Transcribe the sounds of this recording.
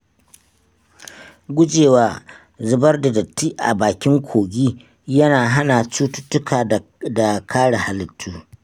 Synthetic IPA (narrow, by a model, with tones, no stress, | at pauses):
ɡʷʊ˦d͡ʒeː˨waː˦ | zʊ˨bɐ˦rda˨dɐ˨tːiː˦ʔa̰˨baː˨kʲɪ˦ŋkʷʰoː˨ɡʲiː˦ | jɐ˦naː˨ɦa˦naː˨t͡ʃuː˦tʊ˦tːʊ˦kʰaː˨da˨kʰaː˦ɽa˨ha˨lɪ˨tʰːuː˦